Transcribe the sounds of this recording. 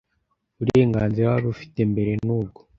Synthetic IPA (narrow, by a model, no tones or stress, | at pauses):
βuɾe̞ːŋɡaːnziɾawaβufi̥te̞mbe̞ɾe̞nuːb̚ɡo̞